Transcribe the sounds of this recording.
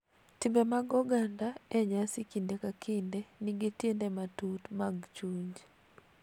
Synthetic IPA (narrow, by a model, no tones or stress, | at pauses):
tɪmbemaɡɔɡandaɛɲasikindekakʰindenɪɡitjendematutmaɡt͡ʃuɲd͡ʒ